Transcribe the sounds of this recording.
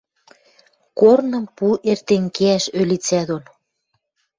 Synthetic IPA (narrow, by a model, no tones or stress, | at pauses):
kornɤ̆mpuʔert̪eŋkeæʃølit͡sæd̪on